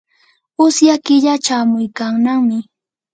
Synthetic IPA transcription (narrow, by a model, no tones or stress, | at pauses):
ʊsjakɪʎat͡ʃamʊjkaŋnaŋmɪ